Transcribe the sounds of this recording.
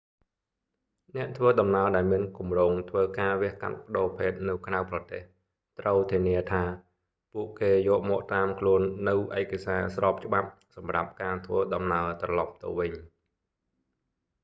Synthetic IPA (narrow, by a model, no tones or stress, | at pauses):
nɛ̆əʔt̪ʰʋəːɗɑmnaəɗaɛlmiənkumroːŋt̪ʰʋəːkaːʋɛ̆əhka̰t̪̚pə̆ɗoːpʰeːt̪̚nɨwkʰrawprɑt̪eːh | t̪rəwt̪ʰiəniət̪ʰaː | puəʔkeːjɔːʔmɔːʔt̪aːmkʰluənːɨwʔaɛkasaːsrɑːp̚t͡ɕə̆ɓap̚ | sɑmra̰p̚kaːt̪ʰʋəːɗɑmnaət̪rɑlɑp̚t̪ɨ̰ʋɨɲ